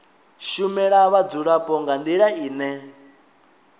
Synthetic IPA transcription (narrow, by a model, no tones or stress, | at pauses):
ʃumɛɺaβad͡zuɺapʼɔŋɡand̪iɺaiːnɛ